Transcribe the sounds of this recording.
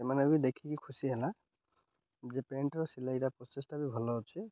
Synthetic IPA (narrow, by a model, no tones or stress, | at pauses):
sɛmanebid̪ekʰikikʰusiɦɛla | zɛpeɳʈɔsilaitapɔsesʈabibʱɔlɔɦɔt͡ʃʰi